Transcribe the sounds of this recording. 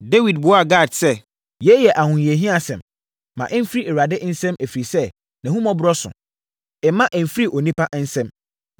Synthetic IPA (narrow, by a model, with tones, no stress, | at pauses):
de˦wi˨d̚bʊ˨ɔ˦a˦˨ɡa˦˨dsɛ˦ | jɛ˦jɛ˨ʔa˨hʊ̃˨je˨ɦĩ˦a˨sɛ̃˨mː | ã̰˨ʔɛ˦m̩˦fɾi˦ɛ˨wa˨dɪ˦n̩˦sɛ̃˦mæ˨fi˨ɾi˨sɛ˦ | nã˨hũ˦mɔ̃˦bɾɔ˦sʊ̰˨ | ɛ˨mã˦ʔɛ˨m̩˨fɾi˦ʔɔ˨nĩ˦pa˦ʔn̩˦sɛ̃˦m